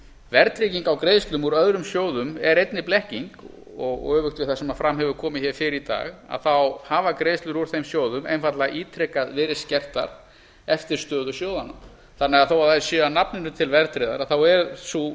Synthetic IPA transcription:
vɛɾt̪ɾɪciŋkawkɾeːjðst̪lʏmuɾœðɾʏmsjoːwðʏmɛɾejt̪nɪplɛhciŋk | ɔɣ̰œːvʏxt̪vɪθasɛmafɾamɦɛvʏkʰɔːmɪçɛɾ̥fɪɾɪit̪a̰ːɣa̰ðθawhaːvakɾeːjst̪lʏɾuɾ̥θejmsjoːwðʏmḛjnfat̪laɣʔiːt̪ʰɾɛkːaðvɪːɾɪ̥scɛr̥t̪a̰ɾ̥ | ɛft̪ɪɾ̥st̪œːðʏsjoːwðana̰ | θanːɛɣaðθowaðasjœːanapnɪnʏt̪ʰɪlvɛɾt̪ɾeða̰ɾaθawɛɾsu

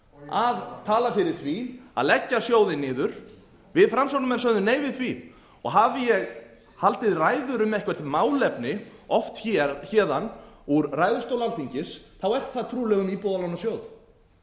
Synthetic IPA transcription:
aðt̪ʰaːlafɪɾɪɾ̥θvia̰ðlɛcːasjoːwðɪnɪːðʏɾ̥ | vɪðfɾamsanʏmɛnsœðʏmneːjvɪðθvi | ɔ̰ɣɦaːvɪjɛɣ | halt̪ɪðraːjðʏɾʏmɛhkvɛɾ̥t̪maːwlɛpnɪɔft̪çɛçɛːðanuɾraːjðʏɾ̥st̪owlalt̪ʰiɲcɪsθawɛr̥t̪θaðt̪ʰɾuːlɛɣʏmipɔːðalawnasjoːwð

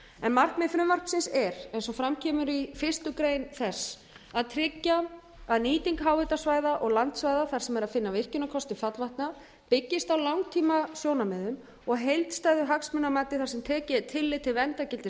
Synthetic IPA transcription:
ɛnmar̥kmɪfɾʏmmar̥ksɪnsɛɾ̥ɛnsɔfɾamcʰɛːmʏɾifɪr̥st̪ʏkɾejnθɛs | aðt̪ʰɾɪcːa | aðniːt̪iŋkɦaːwvɪt̪asvaːjðaʔɔɣlant̪svaːjðaθaɾ̥sɛmɛɾaðfɪnːavɪr̥cʏnakʰɔst̪ɪfat̪lvaht̪na | pɪcːɪst̪awlawŋt̪ʰiːmasjoːwnamɛðʏm | ɔɣɦejlt̪st̪aːjðʏɦaksmʏnːamaːt̪ɪθaɾsɛmt̪ʰɛːcɪt̪ʰɪlːɪt̪ʰɪlvɛnt̪acɪlt̪ɪ

